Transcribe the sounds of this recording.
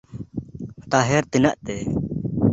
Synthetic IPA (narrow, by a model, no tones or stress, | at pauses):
t̪aɦɛɾt̪inaʔt̪ɛ